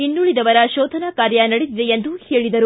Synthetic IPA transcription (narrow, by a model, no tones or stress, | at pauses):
inːuɭid̪ɐʋɐɾɐʃɔːt̪ʰɐnakaːɾjɐnɐɽed̪id̪eend̪uheːɭid̪ɐɾu